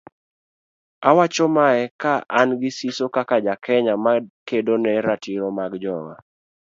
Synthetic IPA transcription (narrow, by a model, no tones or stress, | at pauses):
awat͡ʃɔmaɛkaʔanɡɪsisokakad͡ʒakʰɛɲamakedonɛɾatiɾɔmaɡd͡ʒɔŋa̰